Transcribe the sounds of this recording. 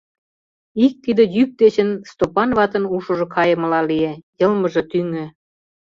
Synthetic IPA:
ik̚t̪id̪ə̆jyk̚d̪et͡ɕə̆nst̪opɑnβɑt̪ə̆nuʃŏʒŏkʰɑjə̆mə̆lɑliejɤlmə̆ʒĕt̪yŋø̆

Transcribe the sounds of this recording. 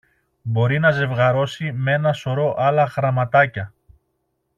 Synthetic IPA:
bo̞ɾinɐze̞vɣɐɾo̞sime̞nɐso̞ɾo̞ʔɐlɐxɾɐmɐt̪ɐcɐ

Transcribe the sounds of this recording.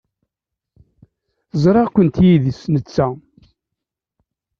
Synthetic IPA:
zˤɾˤɑʁkʷənt̪jiðisnət͡sːæ

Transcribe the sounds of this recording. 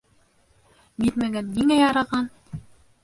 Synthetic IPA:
jit̪mæɡænːiŋæjɑɾɑʁɑn

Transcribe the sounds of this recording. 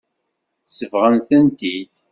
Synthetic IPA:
θsəvʁənθənt̪id̪

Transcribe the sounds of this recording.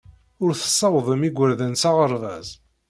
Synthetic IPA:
ʊɾθə̥sˤːɑwðˤəmiɡʷːəɾðənsɑʁəɾˤðæz

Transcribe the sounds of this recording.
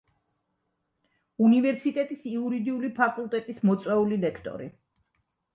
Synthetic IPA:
univɛɾsit̪ʼɛt̪ʼisiuɾid̪iulipʰakʼulˠt̪ʼɛt̪ʼismɔt̪sʼwɛulilɛkʰt̪ʼɔ̰ɾḭ

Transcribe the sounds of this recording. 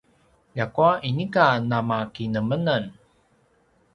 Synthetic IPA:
jakuaʔinikanamakinəmənən

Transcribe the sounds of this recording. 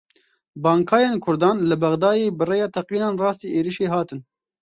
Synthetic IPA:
bɑːŋkʰɑːjeːnkʰʊɾd̪ɑːnlɨbɐɣd̪ɑːjeːbɨrejɑːt̪ʰɛqiːnɑːnrɑːst̪iːʔeːɾiʃeːɦɑːt̪ɨn

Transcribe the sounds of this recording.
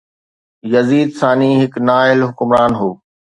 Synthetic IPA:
jɐziːd̪saːnĩːɦɪknaːɪlɦʊkʊmɾaːnɦoː

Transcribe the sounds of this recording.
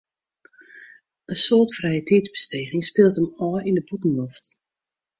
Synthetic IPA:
ʔəsoːtfrɛjətʰidzbəsteːɣɪŋspɪːlˠtəmɔːindəbutn̩lɔft

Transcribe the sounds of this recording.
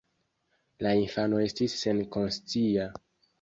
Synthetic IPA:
lainfano̞e̞stisːe̞nko̞nst͡sia

